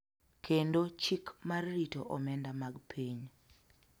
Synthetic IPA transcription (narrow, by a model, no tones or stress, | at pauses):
kʰendot͡ʃikmarːitoʔɔmɛndamaɡpʰiɲ